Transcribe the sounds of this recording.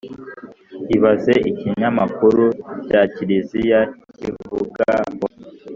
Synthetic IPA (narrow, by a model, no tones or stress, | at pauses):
iβazeʔiciɲamakuɾucaciɾizijacivuɡawa